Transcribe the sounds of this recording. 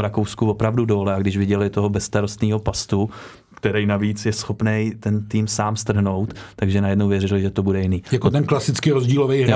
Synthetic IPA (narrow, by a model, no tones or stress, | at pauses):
ɾakowskuvo̞pɾavdudo̞ːlɛaɡdɪʒvɪɟɛlɪt̪o̞ɦobɛst̪aɾo̞st̪niːɦo̞past̪u | kt̪ɛɾɛjnaviːt͡sjɛsxo̞pnɛjt̪ɛnt̪iːmsaːmst̪r̩ɦno̞wt̪ːaɡʒɛnajɛdnowvjɛrɪlɪʒɛt̪o̞budɛjɪniːjakot̪ɛnklasɪt͡skɪɾozɟiːlovej